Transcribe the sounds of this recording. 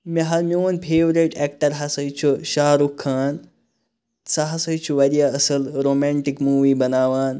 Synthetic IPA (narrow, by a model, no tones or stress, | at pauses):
mɐɦɐɾmioːnpʰeːʋɾeʈɛːk̚ʈɐɾɦɐsɐjt͡ʃʰuʃaːɾukʰːaːn | sɐɦɐsɐjt͡ʃʰuʋɐɾijaəsɐlɾoːmɛːɳʈikmuːʋiːbɐnaːʋaːn